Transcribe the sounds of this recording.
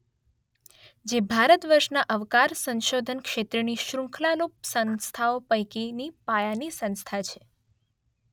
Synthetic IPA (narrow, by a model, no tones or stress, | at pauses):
d͡ʒebʱaɾət̪ʋəɾʃnaʔəʋkaɾsənʃod̪ʱənkʃet̪ɾəniʃɾũŋkʰlalop̚sənst̪ʰaopəjkinipajanisə̃nst̪ʰat͡ʃʰe